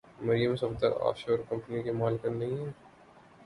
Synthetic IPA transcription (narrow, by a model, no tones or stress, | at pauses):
mɐɾijəmsɐbd̪əɾa̰ːpʰʃoːɾkɐ̃mpənikemaːlkəɾnɐɦĩɦɛː